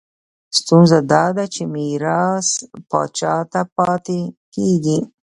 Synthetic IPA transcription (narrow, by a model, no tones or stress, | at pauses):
st̪unzad̪ɑd̪at͡ʃemiɾɑspɑ̰t͡ʃɑt̪apɑt̪ekeɡi